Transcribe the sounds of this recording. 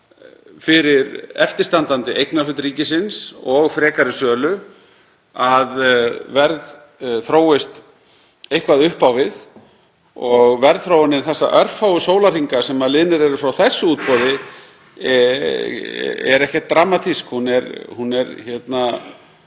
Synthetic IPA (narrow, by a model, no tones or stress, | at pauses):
fɪɾɪɾɛft̪ɪ̥st̪ant̪ant̪ɪʔejknalʏt̪ɾiːcɪsɪnsɔɣfɾɛːkaɾɪsœːlʏ | aðvɛɾð | θɾoːwɪst̪ | ejhkvaðʏhpawvɪð | ɔɣvɛɾðθɾoːwanːɪnθɛsːa̰ʔœɾ̥fawʏsoːwlar̥iŋkasɛmaðlɪðnɪɾɛɾʏfɾawθɛsːʏuːt̪̚pɔðɪ | ɛ̰ɾɛhcɛht̪ːɾaːmat̪ʰiskhunɛɾhunɛɾçɛt̪na